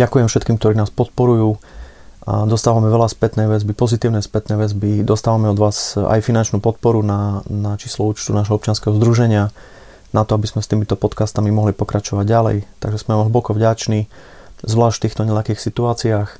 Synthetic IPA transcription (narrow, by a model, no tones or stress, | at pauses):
ɟakujɛmfʃɛt̪kiːmk̚t̪ɔɾiːnaːspɔt̪̚pɔɾujuː | d̪ɔst̪aːʋamɛʋɛlaspɛt̪nɛːʋɛzbipɔzit̪iːʊnɛspɛt̪nɛːʋɛzbid̪ɔst̪aːʋamɛɔd̪ʋaːza̰jfinant͡ʃnuːpɔt̪̚pɔɾunanat͡ʃiːslɔuːt͡ʃt̪unaːʒɦɔɔp̚t͡ʃɪanskɛɦɔzd̪ɾuʒɛɲɪa | nat̪ɔabizmɛst̪iːmit̪ɔpɔt̪kast̪amimɔɦlipɔkɾat͡ʃɔʋaɟɟalɛ̰jt̪aɡʒɛsmɛɦ̩bɔkɔvɟat͡ʃni | zʋlaːʃft̪iːxt̪ɔɲɛlakiːxsit̪uaːt͡siaːx